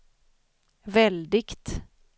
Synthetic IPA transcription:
vɛld̪ɪkt̪

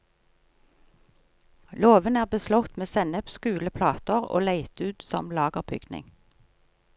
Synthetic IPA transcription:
loːʋənæːʁbəslɔt̪meːsɛnəpskʉːləpʰlɑːt̪əʁo̰ːlæɪt̪ʉːt̪sɔ̰mlɑːɡəʁbʏ̰ɡ̪nɪ̰ŋ

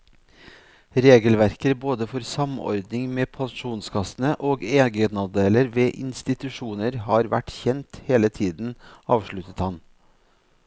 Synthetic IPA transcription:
ɾeːɡəlʋæɾkəɾboːd̪əfɔɾsɑmɔ̰ɾd̪nɪŋmeːpʰɑnʃuːnskʰɑsn̩əʔoːɡeːɡənɑd̪eːləɾʋeːʔɪnst̪ɪt̪ʉʂuːnəɾhɑːɾʋæ̰ʈçɛnt̪heːlət̪ʰiːd̪n̩ɑːʋʂɭʉt̪ət̪hɑn

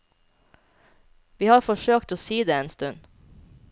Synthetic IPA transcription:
ʋiːhɑːɾfɔʃøːkt̪oːsiːd̪eːeːnst̪ʉn

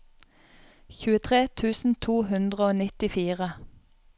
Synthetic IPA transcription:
çʉːət̪ʰʁeːt̪ʰʉːsn̩t̪ʰuːhʉnd̪ʁəoːnɪt̪ɪfiːʁə

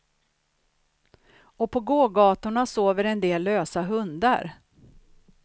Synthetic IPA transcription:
ɔpʰɔɡoːɡɑːt̪ʊɳasoːvəɾɛnd̪eːlːøːsaɦɵnd̪a̰ɾ

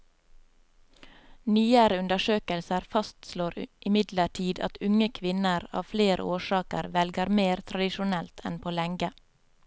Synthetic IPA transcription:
nyːəɾəʉnd̪əʃøːkəlsəɾfɑst̪sloːɾʔɪmɪd̪ləʈʰiːd̪ɑ̰t̪ʰʉŋəkʰʋɪnəɾɑ̰ːʋfleːɾə̰oːʃɑːkə̰ɾʋɛlɡəɾmeːɾt̪ʰɾɑd̪ɪʃʊnɛlt̪ʰɛnpʰoːlɛŋɡə

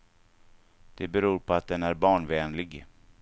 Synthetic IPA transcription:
d̪̥ɛbɛɾuːɾpʰɔat̪̚d̪ɛnæɾbɑːɳvɛːnlɪɡ

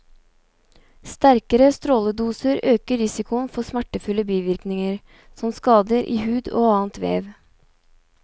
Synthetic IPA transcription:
st̪æɾkəɾəst̪ɾoːləd̪uːsəɾøːkəɾɪsɪkʊənfɔsmæʈəfʉləbiːʋɪɾknɪŋəɾ | sɔmskɑːd̪əɾʔḭːhʉːd̪o̰ːɑːənt̪ʋḛːʋ

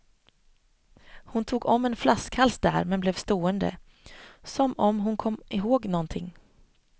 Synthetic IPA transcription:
hʊnt̪ʰuːɡɔmːɛnflaskhalsd̪æ̰ːɾmɛnblɛːvst̪oːənd̪ə̰ | sɔmɔmɦʊnkʰɔmɪɦoːɡnɔnt̪ʰɪŋː

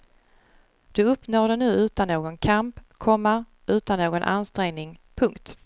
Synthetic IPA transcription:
d̪̥ɵɵpnoːd̪ɛnʉ̟ːʉ̟ːt̪anːoːɡɔnkʰampkʰɔmːa | ʔʉ̟ːt̪anːoːɡɔnʔa̰nst̪ɾɛŋnɪŋpʰɵŋkt̪

